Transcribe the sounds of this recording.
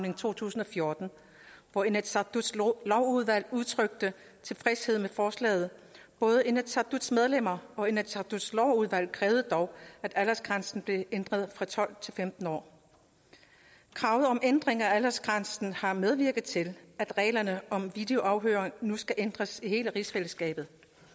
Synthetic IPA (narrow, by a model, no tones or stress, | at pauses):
ne̝ŋt͡sʰo̝̰ːt͡sʰṵːsn̩ɒ̽fjo̝ɐd̥n̩ | ʋɒenæ̥su̥slɒʊuð̞ˠʋæl̰uðˠt͡sʰʁœɡ̥̚d̥ə | t͡sʰe̝fʁɛshe̝ð̰ˠmefɒːslɛ̰ːð̩ˠb̥ɔ̽ːð̞ˠəe̝næd̥sʰɑd̥ud̥smeð̞ˠlem̰ɐɒ̽e̝næ̥sʰɑ̈d̥ud̥slɒʊuð̞ˠʋæl̰kʰʁɛːʊð̞̩ˠəd̥ɒʊæd̥ælæsɡ̥ʁansn̩b̥le̝end̥ʁɐð̞ˠfʁɑ̈t͡sʰɒ̽l̰t͡sʰe̝lfemd̥n̩ɒ̰ː | kʰʁɑ̈ʊð̞̩ˠɒ̽mʔend̥ʁeŋɐæælæsɡ̥ʁansn̩hɑ̈með̞ˠʋiɐɡ̥ð̞̩ˠt͡sʰe̝læd̥ʁɛ̰ːlɐnəɒ̽mʋid̥e̝o̝ʔɑ̈ʊɦøːɐʁeŋnusɡ̥æʔend̥ʁɐsihe̝ːləʁisfeləsɡ̥ɛ̰ːb̥ð̩ˠ